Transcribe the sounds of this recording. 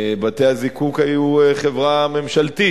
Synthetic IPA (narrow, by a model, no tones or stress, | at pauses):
bat̪ehazikukajueχevʁame̞mʃalt̪i